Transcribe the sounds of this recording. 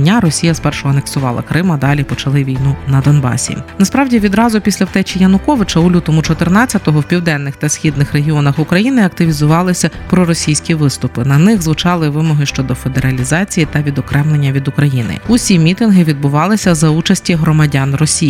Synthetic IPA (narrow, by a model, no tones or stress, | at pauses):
nʲaɾɔsʲijɐspɛrʃɔɐneksʊʋɑ̰lˠɐ̰kɾɪmɐd̪ɑlʲipɔt͡ʃɐlˠɪʋʲijnunɐd̪ɔnbɑ̰sʲḭnɐspɾɑwdʲiʋʲid̪ɾɑzʊpʲisʲlʲɐwt̪ɛt͡ʃʲijɐnʊkɔʋɪt͡ʃɐʊlʲut̪ɔmʊt͡ʃɔt̪ɪrnɑt͡sʲːɐt̪ɔɦɔwpʲiwd̪ɛnːɪxt̪ɐsʲxʲid̪nɪxɾeɦʲiɔnɐxʊkɾɐjinɪɐk̚t̪ɪʋʲizʊʋɑlˠɪsʲɐpɾɔɾɔsʲijsʲkʲiʋɪst̪ʊpɪnɐnɪxzʋʊt͡ʃɑlˠɪʋɪmɔɦɪʃt͡ʃɔd̪ɔfe̞d̪eɾɐlʲizɑt͡sʲijit̪ɐʋʲid̪ɔkɾɛmlenʲːɐʋʲid̪ʊkɾɐjinɪ̰ʊsʲimʲit̪ɪnɦɪʋʲid̪̚bʊʋɑlˠɪsʲɐzɐut͡ʃɐsʲtʲiɦɾɔmɐdʲanrɔsʲi